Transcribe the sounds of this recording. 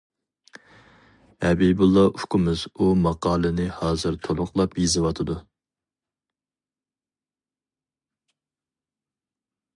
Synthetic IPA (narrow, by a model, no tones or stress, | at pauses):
ɛbibulˠːɑʔukʊmɨz̥umɑqɑːlˠɨnɨhɑːzɨɾt̪ʰolˠʊχlˠɑpjizɨwɑt̪ʰɨd̪u